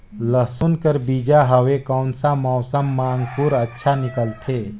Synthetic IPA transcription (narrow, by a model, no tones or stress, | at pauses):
ləsunkəɾbid͡ʒaɦəʋekɔʊnsamɔːsəmːãːŋɡpuɾətːʃʰanɪkəlt̪ʰeː